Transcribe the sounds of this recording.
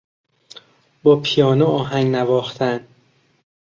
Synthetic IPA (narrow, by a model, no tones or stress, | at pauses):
bɒːpʰijɒːnoɒːɦæŋɡnævɒːxt̪ʰæn